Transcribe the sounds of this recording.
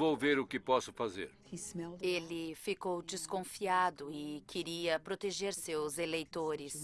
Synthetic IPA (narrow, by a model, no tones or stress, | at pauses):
vowveɾʊkɪpɔsʊfazḛɾ | elɪfikowd͡ʒɪskõfiad̪ʊɪkʰɪɾiɐpɾot̪eʒeɾsewzelejt̪oɾɪs